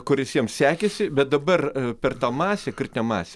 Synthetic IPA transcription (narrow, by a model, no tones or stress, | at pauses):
kʊrʲɪsʲiɛmssʲæːkʲesʲɪbʲɛt̪̚d̪ɐbɐrpʲɛrt̪ɑːmɑːsʲeːkʲɪt̪ʲɪnʲɛmɑ̰ːsʲe